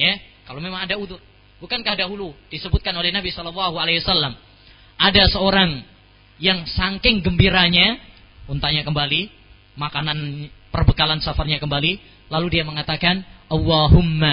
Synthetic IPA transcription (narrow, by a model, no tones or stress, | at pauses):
ja | kalomemaŋadauðʊr | bukankahdaɦulud̥isəbʊt̪̚kanolɛhnabisɔlɔlːaɦualehwasalːam | ʔadasəoɾaŋ | jaŋsaŋkɪŋɡəmbiɾaɲa | unt̪aʔɲakəmbali | makananpərbəkalansafarɲakəmbali | laludiaməŋat̪akanʔɑlːɑɦʊmːa